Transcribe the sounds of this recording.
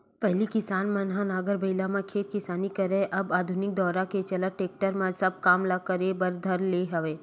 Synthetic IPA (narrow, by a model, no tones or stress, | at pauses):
pɛɦlikɪsaːnmãnɦãnaːɡəɾbɐɪlamãkʰeːt̪̚kɪsaːnikɐɾẽʔɐbaːd̪ʱʊnɪk̚d̪ɔːɾaket͡ʃɐlaʈeːk̚ʈəɾmãsɐb̚kaːmlakəɾebɐɾd̪ʱɐɾleːɦɐʋeː